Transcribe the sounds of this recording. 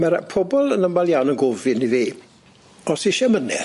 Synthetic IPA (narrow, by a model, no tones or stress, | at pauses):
maɾpʰɔbɔlˠənəmvalˠjawnənɡʊvɪniviː | ɔsiʃɛmənɛ̰